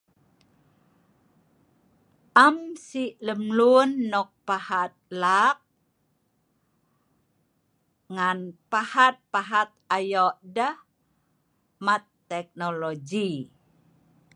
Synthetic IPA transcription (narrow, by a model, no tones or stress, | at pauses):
ʔamsiʔləmlunːɔk̚pahat̪̚lak̚ | ŋanpahat̪̚paɦat̪̚ajɔʔdəh | mat̪ːɛk̚nolod͡ʒi